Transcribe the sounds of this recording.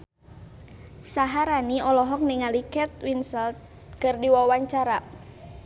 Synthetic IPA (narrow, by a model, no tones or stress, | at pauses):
saɦaɾaniɔlɔɦɔk̚niŋalikɛt̪̚winsɛlt̪̚ | kərdiwawaɲt͡ʃaɾa